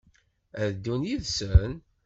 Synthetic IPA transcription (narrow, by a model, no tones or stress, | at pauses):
æðd̪ːunjiðsən